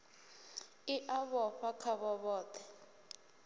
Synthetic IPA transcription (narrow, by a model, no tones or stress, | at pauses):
iʔaβɔɸakʰaβɔβɔːt̪ʰɛ̥